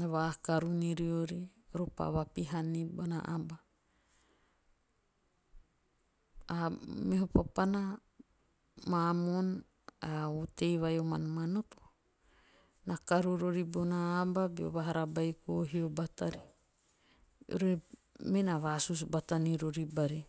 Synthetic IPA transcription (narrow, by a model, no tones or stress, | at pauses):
βakaɾuniɾioɾiɾopa̰βapiɦanibona̰ʔaba | ameɦopapana | mamon | autejβajoma̰nmanoto | nakaɾuɾoɾibonaːbabio̰βaɦaɾabajkoɦiobataɾi | ɾemenaβasus̬bataniɾoɾibaɾi